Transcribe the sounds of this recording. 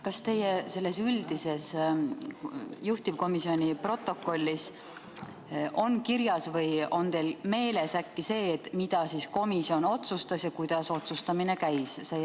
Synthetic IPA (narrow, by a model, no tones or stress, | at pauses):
kɑst̪e̞jese̞lːe̞syld̪̥ise̞s | juht̪ib̥̚ko̞misio̞nʲipro̞t̪ːˑo̞kːˑo̞lʲːis | ʔo̞nkiɾjɑsvɤjo̞nt̪e̞jlme̞ːle̞sækːise̞ːt̪mid̪̥ɑsiːsko̞misio̞no̞t̪sust̪ɑsjɑkujd̪̥ɑso̞t̪sust̪ɑmine̞kæjsse